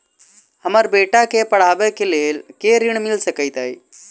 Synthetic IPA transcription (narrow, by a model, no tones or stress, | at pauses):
həməɾbeʈakepəɽ̤abekelelkeɾiɳ̃milsəkəjt̪əj